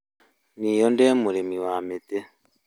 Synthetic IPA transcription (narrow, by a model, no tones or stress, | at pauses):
niːjondemuɾemiwamete